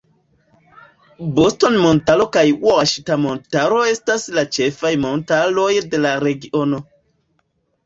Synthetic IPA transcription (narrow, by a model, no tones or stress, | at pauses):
bostonmontalo̞kajwoaʃitamontaɾoe̞staslat͡ʃe̞fajmontalojde̞laɾe̞ɡiʔono̞